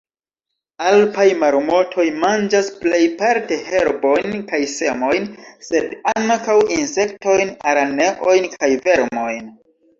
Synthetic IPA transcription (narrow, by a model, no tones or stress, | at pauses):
alpajmaɾmo̞tʰo̞jmand͡ʒasple̞jpaɾte̞he̞ɾbo̞jnkajse̞mo̞jnse̞daŋkawinse̞k̚to̞jnaɾane̞ʔo̞jnkʰajve̞ɾmo̞jn